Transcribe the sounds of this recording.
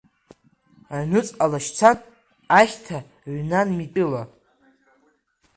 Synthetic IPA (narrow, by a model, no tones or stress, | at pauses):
anɨt͡sʼalaʃt͡sʰanː | χʲtʰa | ɥnanmitʼɨla